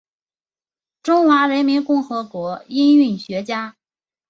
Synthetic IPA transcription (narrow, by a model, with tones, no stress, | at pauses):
ʈ͡ʂʊ˥ŋxwa˧˥ɻə˧˥nmi˧˥nkʊ˥˩ŋxɤ˧˥kwɔ˧˥i˥ny˥˩nɕɥɛ˧˥t͡ɕja˥